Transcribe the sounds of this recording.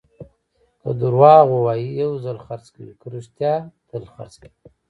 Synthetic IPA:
kə̰d̪uɾwɑːɣowaːjijawzalxaɾt͡skəwikəɾuʃt̪jɑːt̪ʰəlxa̰ɾt͡ski

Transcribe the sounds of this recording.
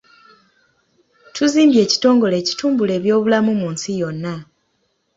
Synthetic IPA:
tʰuziːmbje̞ːci̥to̞ːŋɡo̞le̞ːci̥tuːmbule̞ːβjo̞ːβulamumuːnsijo̞nːa

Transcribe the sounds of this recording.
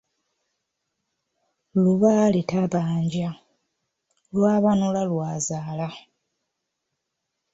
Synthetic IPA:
luβalitaβaːɲɟa | lwaːβanulalwaːzaːla

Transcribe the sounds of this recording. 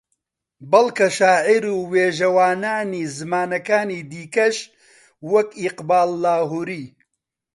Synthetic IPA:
bɐlkɐʃaːʕiɾuːweːʒɐwaːnaːniːzɨmaːnɐkaːniːd̪iːkɐʃ | wɐkiqbaːlːaːɦuɾiː

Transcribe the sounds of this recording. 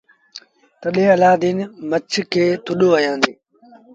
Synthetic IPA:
t̪əɗẽːəlaːd̪iːnmət͡ʃʰkʰeːt̪ʰʊɗoːəjãːnd̪eː

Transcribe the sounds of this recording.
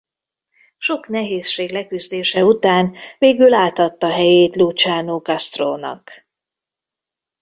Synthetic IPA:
ʃo̞kn̪ɛɦeːsʃeːɡlɛkyzd̪eːʃɛut̪aːnveːɡylaːt̪hɒt̪ːɒɦɛjeːt̪luːt͡ʃaːnoːɡɒst̪ro̰ːnɒ̰k

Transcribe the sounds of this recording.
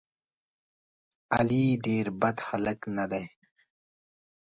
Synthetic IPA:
ɐ̰liːd̪eːɾbɐt̪hɐlɐknɐd̪ɐj

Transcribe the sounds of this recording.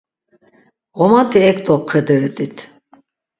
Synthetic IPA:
ʁɔmat̪ʰiɛk̚t̪ʼɔp̚qʰɛd̪ɛɾɛt̪ʼit̪ʰ

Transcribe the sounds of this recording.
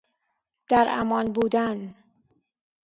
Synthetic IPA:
d̪̥æɾæ̰mɒːnbuːd̪æn

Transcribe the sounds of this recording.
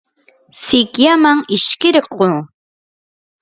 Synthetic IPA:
sɪkjamaŋɪʃkɪɾqoː

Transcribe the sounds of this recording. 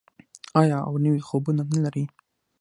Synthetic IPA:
ɑjɑa̰wnəwixobunanalaɾi

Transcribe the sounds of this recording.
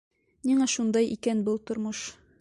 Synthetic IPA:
niŋæʃund̪ɑjʔḭkænbɤlˠt̪ŏɾmɤʃ

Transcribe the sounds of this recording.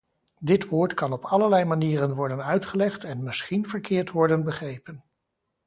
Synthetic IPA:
dɪtʋoːɹtkɑnɔpɑləɹlɛjmaniːrənʋɔɹdənœɥtχəlɛχtɛnmɪsχinvəɹkɪːɹtʋɔɹdənbəχrejpən

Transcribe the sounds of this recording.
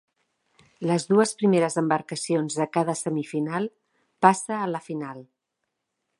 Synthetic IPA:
ləzðuəspɾimeɾəzəmbəɾkəsionzðəkaðəsəmifinalˠ | pasəːləfinalˠ

